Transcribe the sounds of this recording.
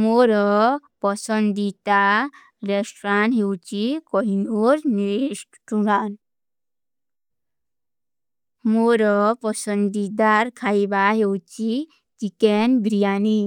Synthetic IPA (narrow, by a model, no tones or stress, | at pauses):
moɾɔpɔsənd̪it̪a | ɾɛsʈɾãɳɦewt͡ɕikɔɦinoɾniɾiʂʈʈuɡan | moɾɔpɔsənd̪id̪aɾkʰaibaɦewt͡ɕi | t͡ɕikenbɾijani